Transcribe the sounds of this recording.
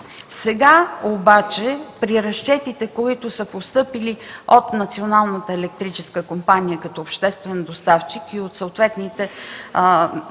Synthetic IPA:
sɛɡaobat͡ʃɛpɾiɾɐʃt͡ʃɛt̪it̪ɛkoit̪ʊsəpost̪ɤpiliot̪nɐt̪sionalˠnət̪əɛlɛk̚t̪ɾit͡ʃɛskəkompanijəkɐt̪ɔːpʃt̪ɛst̪vɛnd̪ost̪aft͡ʃikiot̪soʊt̪vɛt̪nit̪ɛ

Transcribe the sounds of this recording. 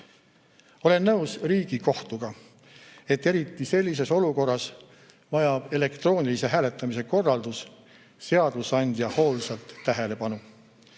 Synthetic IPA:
o̞le̞nːɤwsriːɡ̥iko̞ht̪uɡ̥ɑ | e̞t̪ːe̞ɾit̪ːˑise̞lʲːise̞so̞luko̞rːɑs | vɑjɑb̥e̞le̞kt̪ro̞ːnʲilise̞ɦæːle̞t̪ˑːɑmise̞ko̞rːɑld̪us | se̞ɑd̪̥lusɑnʲd̪jɑho̞ːlsɑlt̪ːæɦe̞le̞pɑnu

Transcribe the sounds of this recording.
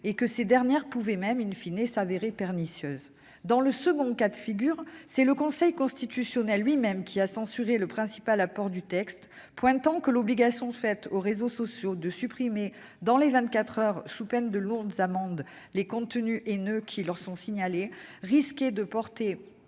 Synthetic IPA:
ekəsed̪ɛʁnjɛʁpuvɛmɛmynfinɛsaveʁepɛʁnisjøz | d̪ɑ̃ləsəɡɔ̃kad̪əfiɡʲyʁsɛləkɔ̃sɛjkɔ̃st̪it̪ysjɔnɛlːɥimɛmkʲʰiasɑ̃syʁeləpχɛ̃si̥palapɔʁd̪yt̪ɛkst̪ | pwɛ̃t̪ɑ̃kəlɔbliɡasjɔ̃fɛt̪oʁezosɔsjod̪əsypχime | d̪ɑ̃levɛ̃t̪̚kat̪χœʁsupɛnd̪əlɔ̃ɡzamɑ̃d̪ | lekɔ̃t̪ənyʔenøkʲʰilœʁsɔ̃siɲaleʁisked̪əpɔʁt̪e

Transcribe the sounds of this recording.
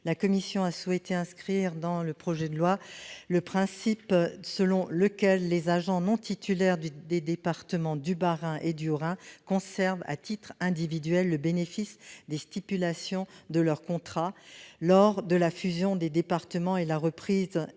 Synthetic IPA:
lakɔmisjɔ̃aswɛt̪eɛ̃skχiʁd̪ɑ̃ləpχɔʒɛd̪əlwaləpχɛ̃sipsəlɔ̃ləkʲɛlːezaʒɑ̃nɔ̃t̪it̪ʰylɛʁd̪d̪ed̪epaʁt̪əmɑ̃d̪ybaʁɛ̃ʔed̪yʁɛ̃kɔ̃sɛʁva̰t̪it̪χɛ̃d̪ivid̪ɥɛlːəbenefisd̪est̪ipylasjɔ̃d̪əlœʁkɔ̃t̪χalɔʁd̪əlafyzjɔ̃d̪ed̪epaʁt̪əmɑ̃elaʁəpχiz

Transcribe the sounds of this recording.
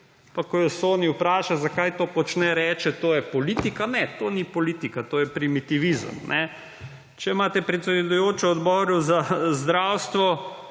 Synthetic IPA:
pakɔjɔsoːniwpɾaːʃazakajt̪oːpɔt͡ʃnɛɾɛːt͡ʃɛt̪oːjɛpɔliːt̪ikanɛt̪oːnipɔlit̪ikat̪oːjɛpɾimit̪iʋizə̰mnʔɛ | t͡ʃɛimaːt̪ɛpɾɛt̪sɛd̪ujoːt͡ʃɛɔd̪bɔːɾuzazd̪ɾaːwst̪ʋɔ

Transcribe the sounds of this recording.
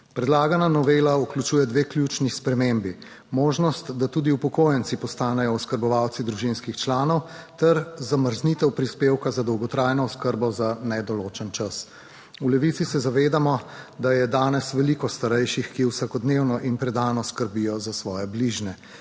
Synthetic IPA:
pɾɛd̪laːɡananɔʋelauklut͡ʃuːjɛd̪ʋeːkljut͡ʃnixspɾɛmembi | moːʒnɔst̪d̪at̪uːd̪iupɔkoːjənt̪sipɔst̪aːnɛjɔɔskəɾbɔʋawt̪sid̪ɾuʒinskixt͡ʃlaːnɔwt̪ɛɾzaməɾznit̪ɛwpɾispewkazad̪ɔwɡɔt̪ɾaːjnɔɔskəɾbɔzanɛd̪ɔloːt͡ʃənt͡ʃas | ulɛʋit̪sisɛzaʋeːd̪amɔd̪ajɛd̪aːnɛsʋɛlikɔst̪aɾɛjʃixkiwsakɔd̪newnɔʔinpɾɛd̪aːnɔskəɾbijɔzasʋɔːjɛbliʒnɛ

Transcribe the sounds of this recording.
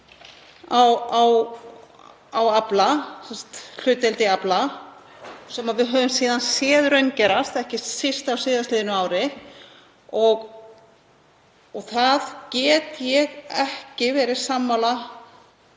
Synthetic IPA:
awaw | awaplasɛnst̪l̥ʏːt̪ɛlt̪ɪapla | sɛmaðvɪðɦœːvʏmsiːðansjɛːðɾœɥncɛːɾast̪ɛhcɪsɪst̪awsɪːðast̪lɪːðɪnʏaːwɾɪ | ɔɣ | ɔɣθaðcɛːt̪jɛɣɛhcɪvɛːɾɪɾ̥samːawla

